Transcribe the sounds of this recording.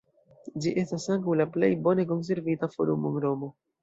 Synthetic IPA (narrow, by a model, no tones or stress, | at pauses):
d͡ʒiʔe̞stasaŋkawlaple̞̰jbo̞ne̞k̬o̞ns̬e̞ɾvitafo̞̰ɾumonɾo̞mo̞